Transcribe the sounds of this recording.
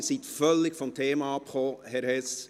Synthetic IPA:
siːt̪fœlːɪkfɔmtʰeːmɑɑpχoːhɛɾhɛs

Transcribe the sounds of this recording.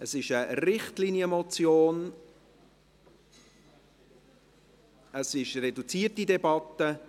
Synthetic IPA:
əsɪʃəɾɪχtlinjəmɔt͡sjoːn | əsɪʃɾɛdut͡siətidɛbɑt̪ːə

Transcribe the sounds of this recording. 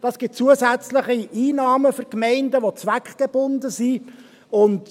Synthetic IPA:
d̥ɑsɡ̥ɪt̚t͡suəzæt͡sləχiiːnɑːməfʏɾkmɛɪndəʋot͡sʋækχɡ̥eb̥ʊnd̪əzi | ʊnt

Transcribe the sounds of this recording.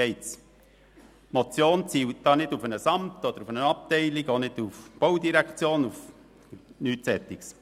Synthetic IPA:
ɛɪtt͡s | mot͡sjoːnt͡siːwt̚d̥ɑːnɪdufənəsɑmt̪ɔd̪əɾufənəɑp̚tɛɪliɡonɪd̥ufb̥owdiɾækt͡sjoːnuf | nyːtsɛt̪ːiks

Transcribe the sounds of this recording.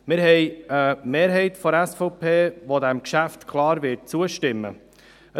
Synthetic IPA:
mɪɾɦɛjəmeːɾɦɛɪtfɔæsfɔʊpʰeːʋod̪æmkʃæft̪kʰlɑːɾʋɪt̚t͡suəʃtɪmːə̰ | ə

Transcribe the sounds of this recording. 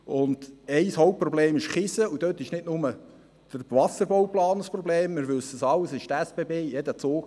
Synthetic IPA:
ʊnd̥ɛɪshowp̚pːrɔbleːmɪʃχɪsəud̥̪øt̪ːɪʃnɪdnʊmə | d̪̥əɾʋɑsəɾbowplɑːnəspɾɔbleːmːɪɾʋʏsəsɑləsɪʃt̪ɛsb̥ebeːjɛd̪ət͡soːk

